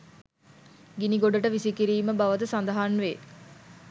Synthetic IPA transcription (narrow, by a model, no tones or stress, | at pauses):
ɡiniɡoɖəʈəʋisikiɾiːməbaʋət̪əsand̪əɦanʋe